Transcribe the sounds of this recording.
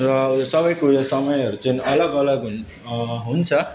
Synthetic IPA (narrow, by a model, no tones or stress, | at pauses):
rʌsʌbʌjkusʌmʌjʌɾut͡sʌĩʌlʌɡʌlʌɡ | ɦunt͡sʰʌ